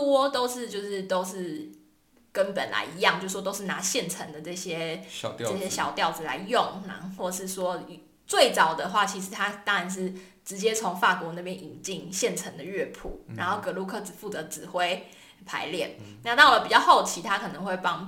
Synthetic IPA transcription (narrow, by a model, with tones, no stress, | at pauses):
twɔ˥t̪o˥ʊʂɻ̩˥˧t͡ɕjo˥˧ʊʂɻ̩˥˩t̪o˥ʊʂɻ̩˥˩ | kə˦npə˨˩nla̰˧˥ɪi˧˥jɑ˥˧ŋt͡ɕjo˥˧ʂ̩˥˩wɔ˧t̪o˥ʊʂɻ̩˥˨na˧˥ɕjɛ˥˩nʈ͡ʂʰə˧˥ŋd̪ə˨ʈ͡ʂɤ˥˩ɕjɛ˦˥ʈ͡ʂə˥˩ɕjɛ˦˥ɕjɑ˨˩ʊt̪jɑ˥˩ʊd͡zɹ̩˨˩la̰˧˦ɪjʊ˥˨˩ŋna˨˧xwɔ˥˩ʂɻ̩˥˩ʂwɔ˦˥˨ | t͡swe˥˩ɪt͡sɑ˨˩ʊd̪ə˦xwa˥˩t͡ɕʰi˧˥ʂ̬ɻ̩˧˥t̪ʰa˥t̪ɑ˥ŋa˧˥nʂ̬ɻ̩˥˩ | ʈ͡ʂɻ̩˧˦˥t͡ɕjɛ˦˥t͡sʰo˧˦˥ŋfa˥˩kwɔ˧˥na˥˩pjɛ˦˥ni˨˩ŋt͡ɕi˥˩ŋɕjɛ˥˩nʈ͡ʂʰə˧˥ŋd̪ə˨ɥɛ˥˧pʰṵ˨˩ɻa˧˥nxo˥˩ʊkɤ˧˥lu˥˧˩kʰɤ˥˩t͡sɹ̩˨˩fu˥˩t͡sɤ˨˧˥ʈ͡ʂɻ̩˨˩xwe˥ɪ | pʰa̰˧˥ɪljɛ˥˩nna˥˧t̪ɑ˥˩ʊlə˨pi˨˩t͡ɕjɑ˥˧ʊho˥˩ʊt͡ɕʰi˧˥˦t̪ʰa˦˥kʰɤ˨˩nə˧˦ŋxwe˥˩ɪpɑ˦˥ŋ